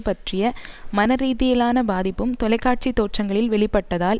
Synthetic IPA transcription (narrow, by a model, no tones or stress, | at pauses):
pɐʈrɪjɐmɐnɐɾiːðɪjɐlaːnɐbaːðɪpːɯmt̪ɔlɐɪkːaːʈ̚t͡ʃit̪ːoːʈrɐŋɡɐɭɪlʋɛɭɪpːɐʈːɐðaːl